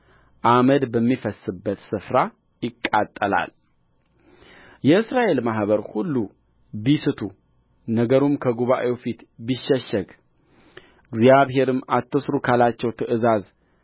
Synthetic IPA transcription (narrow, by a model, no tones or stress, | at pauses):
ʔaməd̪bəmːifəsɨbːət̪sɨfɾa | jɪkʼːat̪ʼːəla̰l | jɛɨsɾaʔe̞lmaɦβəɾhulːu | bisɨt̪ʰu | nəɡəɾumkʰəɡuβaʔewfit̪biʃːɛʃːəɡ | ɨɡzjaβɦe̞ɾɨmat̪ʰːəsɾukʰalat͡ʃːɛwt̪ʰɨʔɨzaz